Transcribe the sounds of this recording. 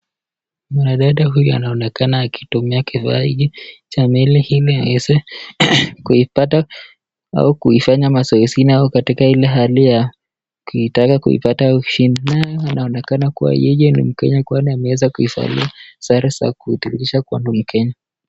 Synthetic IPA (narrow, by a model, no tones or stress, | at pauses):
manaɗaɗaɦujɔa̰naɔnɛkanaːkitumiakiva̰iʄɛt͡ʃamɛlɛhiliawɛzɛ | kuipata | a̰ukuifaɲamasɔɛsiniaukatikailɛɦalija | kuitakakṵḭpatauʃininajɔanʔaɔnɛkanakuwa̰jɛjɛnṵm̩kɛɲakwaniamɛwɛzakuifa̰lḭasaɾisa̰kuituiʃakuanum̩kʰɛɲa